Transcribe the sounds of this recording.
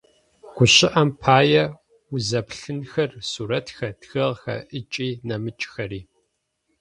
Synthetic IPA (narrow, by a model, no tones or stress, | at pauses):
ɡ̥ʷʊɕɪʔɐmpʰaːjɛ | ʊzɐpɬɨnxɐrsuːɾɐtxɐdxɨʁxɐ̰ʔɨt͡ʃʼiːnɐmɨt͡ʃʼxɐɾiː